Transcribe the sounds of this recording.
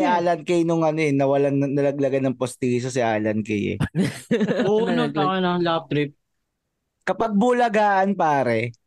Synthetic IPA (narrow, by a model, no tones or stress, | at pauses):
ɪʔaːlɐnkɛjnʊŋɐnoɛnːɐwɐlanɐnɐlɐɡ̚lɐɡɐnɐŋpost̪iːs̬os̬ɪʔaːlɐnkɛjɛ̰ | onɐɐnɐlap̚t̪ɾɪp̚ | kɐpɐɡ̚bʊlɐɡaːʔɐnpaːɾɛ